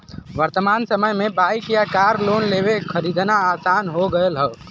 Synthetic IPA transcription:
ʋəɾt̪əmaːnsəməjmebajkijakaɾlonlebekʰəɾid̪ʱnaasanɦoɡəelɦəː

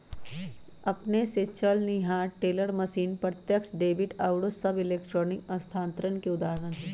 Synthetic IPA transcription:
ɐpneset͡ʃɐlniɦaːʈeːləɾmɐʃiːnpɾət̪jəkʃɖeːbɪʈaːʊɽosɐbɪleːkʈɾɔːnɪkɐ̃st̪ʰãːnt̪ɾənkeʊd̪aːɦəɾənɦ

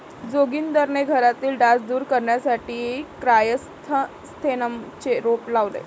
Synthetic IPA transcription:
d͡zoɡiːnd̪əɾɳeɡʱəɾat̪iːlɖasd̪uːɾkəɾɳjasaʈiːkɾajəst̪ʰə | st̪ʰenəmt͡ɕeɾoplaʋlḛ

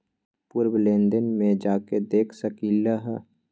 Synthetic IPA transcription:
pʊɾwlẽːnd̪ənmẽd͡ʒaːked̪eːkʰsəkiːlaɦɛ

